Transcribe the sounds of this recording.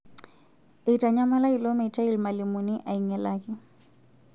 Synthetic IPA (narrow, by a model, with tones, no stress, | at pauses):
ɪ˨i˨tʼa˨ɲa˦ma˦la˦kilomɛ˨tʰʼa˦i˨lma˨lɪmʊnɪʔa˨iŋɛlaːkʼɪ